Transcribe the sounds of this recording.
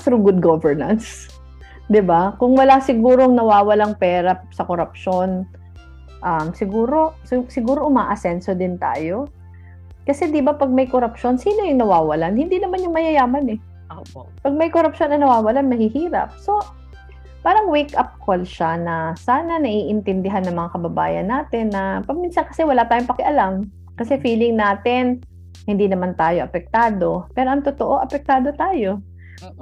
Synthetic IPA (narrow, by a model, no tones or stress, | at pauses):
θɾuɡʊd̪̚ɡovɛɹnɐns | d̪ɪbakʊŋwɐlasɪɡuːɾoŋnɐwaːwɐlaŋpɛːɾɐsɐkoɾɐp̚ʃo̞n | ʔɐmsɪɡuːɾo̞ssɪɡuːɾoʔʊmaːʔɐsɛnsod̪ɪnt̪a̰ːjo̞ | kɐsɛd̪ɪbapɐɡ̚mɐjkoɾɐpʃo̞nsiːnojʊŋnɐwaːwɐlanhɪnd̪inɐmanjʊŋmɐjɐjaːmɐnɛ | ʔopɐɡ̚mɐjkoɾɐpʃo̞nɐnɐwaːwɐlanmɐhɪhiːɾɐ̰p̚so̞ | paːɾɐŋwekʔɐp̚kolʃanɐsaːnɐnɐʔiːʔɪnt̪ɪnd̪ɪɦanːɐŋmɐŋakɐbɐba̰ːjɐ̰nːaːt̪ɛnːɐpɐɡ̚minsɐnkɐ̥sɛwɐlat̪aːjoŋpɐkɪʔɐlam | kɐsɛfiːlɪŋnaːt̪ɪn | hɪnd̪iːnɐmant̪aːjoʔɐpɛk̚t̪aːd̪o̞pɛːɾo̞ʔɐŋt̪ot̪oʔo̞ʔɐpɛk̚t̪aːd̪o̞t̪aːjo̞